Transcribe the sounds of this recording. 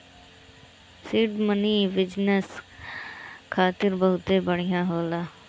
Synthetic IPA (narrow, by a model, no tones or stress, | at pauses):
sɪɖməniːʋɪd͡ʒnəs | kʰaːt̪ɪɾbəɦʊt̪eːbəɽɪjãːɦoːlaː